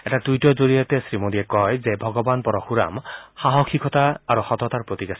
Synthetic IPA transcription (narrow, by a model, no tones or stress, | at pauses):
ɛtadujtɔzoɹijɔt̪ɛsɹimodijɛkɔjzɛbʱɔɡɔbanpɔɹɔxuɹa̰mxaɦɔkʰikʰɔtaːɹuxɔt̪ɔt̪aɹpɹot̪iɡas